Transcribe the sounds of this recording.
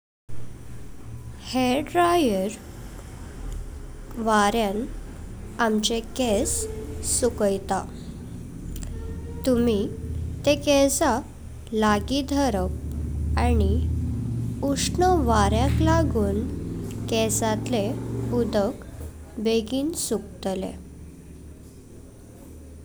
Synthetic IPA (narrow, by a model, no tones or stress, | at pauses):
heɖɾajəɾ | ʋaɾjan | amt͡ɕekesːukəjt̪a | t̪umit̪ekɛsa | laɡid̪ʱəɾək̚ani | uʂnəʋaɾjãklaɡuːnkɛsat̪leud̪ək | beɡiːnsuk̚t̪lḛ